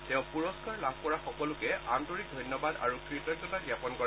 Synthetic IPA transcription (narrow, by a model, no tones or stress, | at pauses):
tɛ̃ʊ̃puɹɔskaɹlabʱkɔɹaxɔkɔlʊkɛamtoɹik̚dʱɔjnjɔbada̰ɹukɹitɔk̚ɔtaɡjapɔnkɔ